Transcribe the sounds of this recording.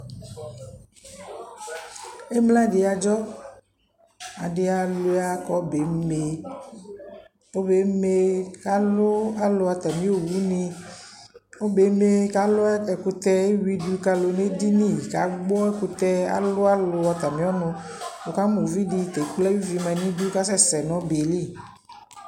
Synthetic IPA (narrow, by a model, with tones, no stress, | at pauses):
e˦mla˦ɖi˨a˨d͡ʒɔ˦ | a˨ɖe˨a˨lo˨a˨kɔ˦be˨˦me˨ | o˦be˨˦me˨ka˦lo˦a˦lo˨˦a˨t̪a˨mĩ˦o˨wi˦nĩ˦ | o˦be˨˦me˦ka˨lo˦ɛ˨ku˨t̪ɛ˦wi˦du˦ka˦lo˨ne˦di˦nĩ˦˨ka̰˨˦ɡ͡bɔ˦ɛ˦ku˨t̪ɛ˦a̰˨lo˦a˦lo˨a˨t̪a˨mĩ˦ɔ˦nʊ̃˨wo˨ka˦mo˨vi˦di˨t̪e˨k͡plɛ˦wi˦vi˨mɛ˨nĩ˦du˦ka˦s̬ɛ˦sɛ˨nɔ̃˨˦be˨li˦